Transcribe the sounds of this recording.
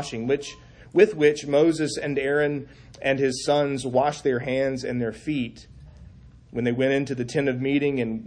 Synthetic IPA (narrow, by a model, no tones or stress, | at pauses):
ʃɪ̃ŋwɪt͡ʃ | wɪðwɪt͡ʃmoʊzɨsɨ̃nɛɹɨ̃n | ɨ̃nɪz̥sʌ̃nzwɑʃðə˞ɦæ̃ndzɨ̰̃nðə˞fit̚ | wɨ̃nðeɪwɛ̃ɾ̃ɪ̃ntʉðɨtʰɪ̃nʌvmiɾɪ̃ŋɨ̃n